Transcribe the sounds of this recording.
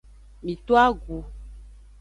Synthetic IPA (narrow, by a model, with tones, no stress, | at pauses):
mĩ˨t̪o˦a˦ɡu˨